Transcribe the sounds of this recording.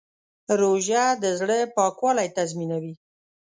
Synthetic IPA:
ɾoʒad̪əzɽəpɑkwɑlajt̪azminawi

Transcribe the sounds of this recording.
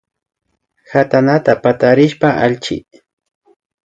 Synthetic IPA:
hat̪anat̪apat̪aɾɪʃpaʔaʎt͡ʃɪ̰

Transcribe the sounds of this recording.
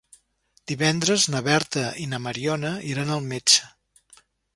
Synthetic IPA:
d̪̥iβɛnd̪ɾəznəβɛɾt̪əʔinəməɾiɔnəiɾanəlˠmet͡ʃə̥

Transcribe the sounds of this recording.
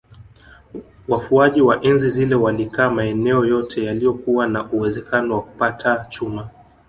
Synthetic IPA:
wafuaʄiwaʔɛnzizilɛwalikaːmaɛnɛɔjɔtʰɛjalijɔkuwanaʔuwɛzɛkanɔwaku̥patʰat͡ʃuma

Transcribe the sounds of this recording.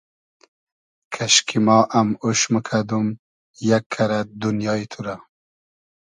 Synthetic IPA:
kʰaʃkʰimɑːʔamuʃməkʰad̪um | jakʰːaɾad̪unjɑːit̪ʰuɾa

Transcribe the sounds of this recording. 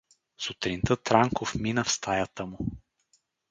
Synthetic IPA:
sʊt̪ɾint̪ət̪ɾaŋkofminəfst̪ajat̪əmʊ

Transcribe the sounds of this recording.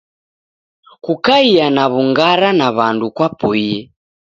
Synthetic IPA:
kukaianaβuŋɡaɾanaβandukwapuiɛ

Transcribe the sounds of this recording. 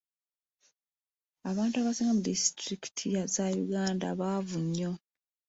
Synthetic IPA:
aβaːntuaβasiːŋɡamudistɾiki̥tʰijazajuɡaːnda̰βavuɲːo̞

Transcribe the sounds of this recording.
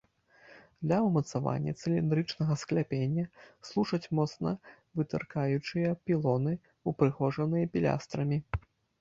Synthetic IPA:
d̪lʲɐwmɐt̪sava̰nʲːɐ̰t̪sɨlʲind̪ɾɨt͡ʂnɐɣɐsklʲapʲenʲːɐslˠuʂɐt͡sʲmɔt̪snɐ̰ | vɨt̪ɨ̰rkajut͡ʂɨjɐpʲilˠɔnɨ | upɾɨxɔʐɐnɨjɐpʲilʲa̰st̪ɾɐmʲi

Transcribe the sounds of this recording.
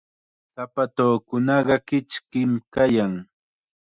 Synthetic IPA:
sapat̪oːkʊnɑɢɑkɪt͡ʃkɪmkajaŋ

